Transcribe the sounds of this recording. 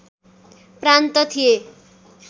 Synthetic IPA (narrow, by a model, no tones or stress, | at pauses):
prant̪ʌt̪ʰije